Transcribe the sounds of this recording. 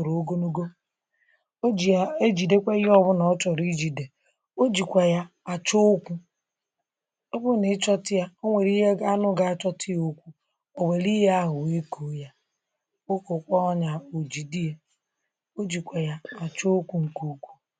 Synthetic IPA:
ɾo˨˦ɡo˦no˦ɡo˦ | o˦d͡ʒi˨a˦e˦d͡ʒi˨de˦kʷe˦ɔ˦βʊ˦nɔ˨˦t͡ʃɔ˨ɾi˦d͡ʒi˨de˨ | o˦d͡ʒi˨kʷa˨ja˦a˨t͡ʃo˦o˦kʷu˦ | ɔ˦bʊ˦ne˨˦t͡ʃɔ˦tɪ˦ja˦o˦ŋʷe˨ɾi˦ɦe˦ɡa˦nʊ˦ɡa˦t͡ʃɔ˦tʰɪ˦o˦kʷu˦ | o˨wʷe˨ɾi˦ɦe˦a˦ɦʊ˨e˦kʰo˨ja˦ | o˦ko˨kʷɔ˦ɔ˦ɲa˨o˨d͡ʒi˨di˦e˦ | o˦d͡ʒi˨kʷa˨ja˦a˨t͡ʃo˦o˦kʷu˦ŋ̩˨ku˦kʷu̥˦

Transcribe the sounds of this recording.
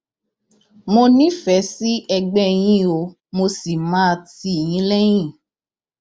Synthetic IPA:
mo˧nĩ˦fɛ˨˦si˦ʔɛ˧ɡ͡bɛ˦j̃ĩ˧˦o˧ | mo˧si˨mãː˦˧ti˦˨j̃ĩ˨˦lɛ˦j̃ĩ˦˨

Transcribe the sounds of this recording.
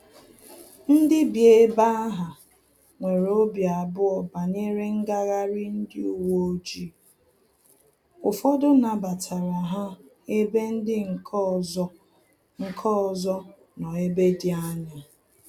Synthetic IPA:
n̩˦dɪ˦bje˦ba˦a˦ɦa˨ | ŋʷe˨ɾo˦bja˨bʊ˦ɔ˨ba˨ɲe˦ɾe˦ŋ̩˦ɡa˦ɣa˦ɾɪ˦n̩˦dɪ˦u˦wo˦o˦d͡ʒi˦˨ | ʊ˨fɔ˦dʊ˦na˨ba˨tʰa˨ɾa˨ɦa˦ | e˦be˦n̩˦dɪ˦ŋ̩ʰ˨˦ | ŋ̩˨kʰɔ˦˨zɔ˦ | nɔ˨e˦be˦dɪ˨a˦ɲɪ˨

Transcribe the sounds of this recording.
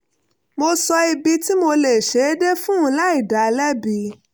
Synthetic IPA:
mo˧sɔ˧i˧bi˧ti˦mo˧le˨ʃe˨˦de˦fũ˦˧˦la˦i˦˨da˨lɛ˦bi˨˧˦

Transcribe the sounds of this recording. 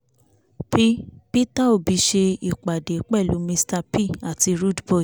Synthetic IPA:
pi˦pi˦ta˦˨o˦˨bi˨˧˦ʃe˧i˨k͡pa˨de˨˦k͡pɛ˦˨lu˨˦mĩ˧sta˧pi˦a˨ti˧ɾu˦dbɔ˦˨

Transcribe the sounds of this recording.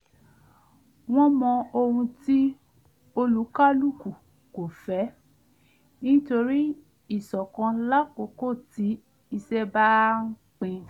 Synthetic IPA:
w̃ɔ̃˦mɔ̃˧o˧hũ˧ti˦ | o˧lu˨˦ka˦lu˦˨ku˨ | ko˨fɛ˨˦ | nĩ˦to˧ɾi˦ | i˦˨sɔ˨kã˧la˦ko˨˦ko˦˨ti˨˦ | i˧sɛ˦ba˦ŋ̩˦k͡pĩ˧

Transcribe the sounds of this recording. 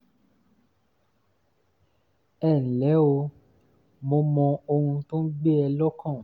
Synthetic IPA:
ɛ˦˨nĩ˨lɛ˨˦o˧ | mo˧mɔ̃˧o˧hũ˧tõ˦n̩˦ɡ͡be˦ɛ˧lɔ˦kã˦˨

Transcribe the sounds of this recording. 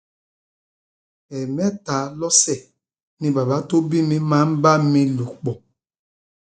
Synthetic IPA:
ɛ˨mɛ˦ta˨˦lɔ˦sɛ˦˨ | nĩ˦ba˨ba˨˦to˦bi˦mi˦ma˨˦m̩˦ba˦mĩ˦lu˨k͡pɔ˨

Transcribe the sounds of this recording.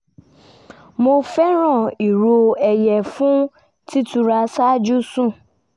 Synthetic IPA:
mo˧fɛ˦ɾ̃ɔ̃˦˨i˨ɾo˨ɛ˨jɛ˨fʊ̃˦ | ti˦tu˨ɾa˨sa˦d͡ʒu˦sũ˦˨

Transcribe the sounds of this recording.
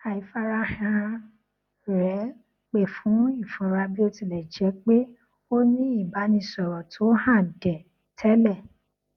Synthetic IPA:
a˨i˨fa˧ɾa˦hɛ̃˧ã˧ | ɾɛ˨˦ | k͡pe˨fũ˨˦i˦˨fɔ̃˨ɾa˧bi˦o˦ti˧lɛ˨d͡ʒɛ˨˦k͡pe˦ | o˦nĩ˦i˦˨ba˨˦nĩ˧sɔ˨ɾɔ˨tʰo˨˦hã˦˨dɛ˨ | tʰɛ˨˦lɛ˦˨

